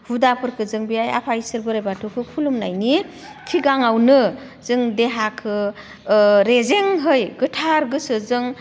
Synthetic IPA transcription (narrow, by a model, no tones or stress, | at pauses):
hudapʰɯɾkʰɯzɯŋbijaja̰pʰajsɯɾbɯɾajbatʰukʰɯkʰulumna̰jni | kʰiɡaŋawnɯ | zɯŋdeɦakʰɯ | ɾezeŋɦɯjɡɯtʰaɾɡɯsɯzɯŋ